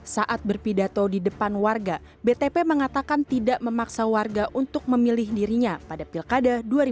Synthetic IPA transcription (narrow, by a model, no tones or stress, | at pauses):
saʔat̪̚bərpidat̪odidəpanwarɡa | bet̪epeməŋat̪akant̪idaʔməmaksawarɡaʔunt̪ʊk̚məmilɪhdiɾiɲapadapilkadaduaɾi